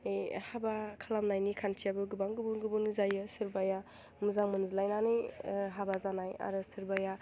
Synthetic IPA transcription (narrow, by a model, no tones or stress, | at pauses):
ejhabakʰalamnajnikʰantʰijabɯɡɯbaŋɡɯbunɡɯbunzajɯsɯɾbaja | muzaŋmɯnzilajnanɯjɦabazanaja̰ɾɯsɯɾbaja